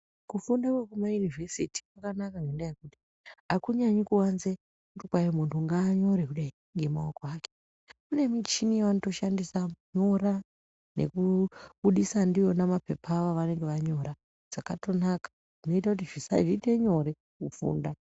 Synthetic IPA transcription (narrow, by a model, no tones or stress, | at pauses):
kufundakwekumajunivesiti̥kwakanakaŋɡendajekuti̥ | akuɲaɲikuwanze | kutikwajomuntuŋɡaːɲo̞ɾekuɗai | ŋɡe̞maokoaːke̥ | kune̞mit͡ʃinijaʋanoto̞ʃandisaɲo̞ɾa | nḛkuɓuɗisandijo̞namape̞pʰaʋaʋane̞ŋɡe̞ʋaɲo̞ɾa | d͡z̥akato̞nakḁ | ʐ̥ino̞itakut̬iʐisa̰ʐite̞ɲo̞ɾe̞ | kufṵːnda